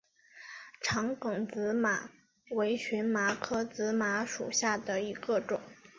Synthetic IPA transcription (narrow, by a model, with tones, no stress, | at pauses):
ʈ͡ʂʰɑ˧˥ŋkʊ˨˩ŋt͡sɹ̩˧˥ma˨˩ | we˧˥ɪɕɥɛ˧˥nma˧˥kʰɤ˥t͡sɹ̩˧˥ma˧˥ʂṵ˨˩ɕja˥˩d̪ə˩i˧˥ɡ̥ə˥˧ʈ͡ʂʊ̰˨˩˦ŋ